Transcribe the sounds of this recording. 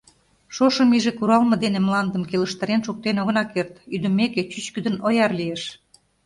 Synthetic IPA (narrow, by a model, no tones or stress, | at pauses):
ʃoʃəmiʒekuɾɑlmɤ̆d̪enemlɑnd̪əmkeləʃt̪əɾenʃuk̚t̪enoɣɤ̆nɑkert̪yd̪ə̆meket͡ɕyt͡ɕkyd̪ə̆nojɑrlijeʃ